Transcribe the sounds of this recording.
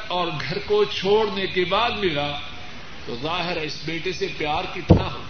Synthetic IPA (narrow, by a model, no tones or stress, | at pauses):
ɔːɾɡʱɐɾkot͡ʃʰoːɽnekebaːd̪mɪlaː | t̪ozaːɦɪɾaɪsbeːʈesepjaːɾkɪt̪ʰnaɦo̰ː